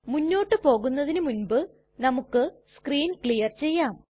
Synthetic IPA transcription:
munːo̞ːʈːɨpo̞ːɣunːɐðinɨmunbɨ | nɐmukːɨskriːnkɭijɐrt͡ɕe̞jːaːm

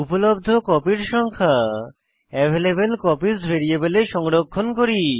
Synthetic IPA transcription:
upolob̚d̪ʱokɔpiɾʃɔŋkʰa | ɛvʱelebelkɔpisbʱeɾiebeleʃɔŋɾokʰːonkoɾi

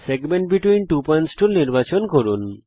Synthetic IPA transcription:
seɡmeɳʈ̚biʈwinʈupɔjnsʈulniɾbat͡ɕonkɔɾun

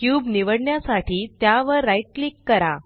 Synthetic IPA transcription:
kjuːbniʋəɽɳjasaʈiːt̪jaʋəɾːajʈ̚klikːəɾa̰

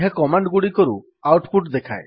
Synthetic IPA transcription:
ɦakɔmaɳɖɡuɽikoɾṵ | awʈpʰuʈd̪ekʰa̰j

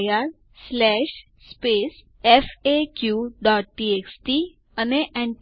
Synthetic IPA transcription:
jaɾ | slɛɕ | spes | efekjuɖɔʈ̚ːieksʈi | əneʔɛ̃ɳʈ

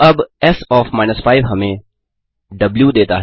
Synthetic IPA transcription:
ɐbɛsɔːfmaːɪnəsfʰaːɪʋɦɐmẽ | ɖɐbljud̪eːt̪aɦ

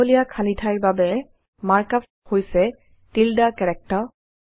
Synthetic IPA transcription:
olijakʰalitʰajɹbabɛ | maɹkap | hojsɛ | tildakɛɹɛk̚tɔ

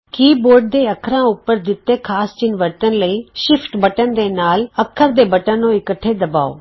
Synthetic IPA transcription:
kiːboːɾɖ̚d̪eːɐkʰɾãʊpːəɾd̪ɪt̪ːekʰaːst͡ʃɪnʋəɾt̪ənləiːʃɪfʰʈbəʈənd̪eːnaːlɐkʰːəɾd̪eːbɐʈənõɪkəʈʰːed̪ɐba̰ːo̰ː

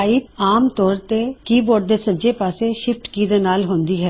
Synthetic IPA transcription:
aiːt̪aːmt̪ɔːɾt̪ekiːboːɖ̚d̪eːsəɲd͡ʒepaːseʃɪfʈkiːd̪eːnaːlɦõːnd̪iːɦɛː

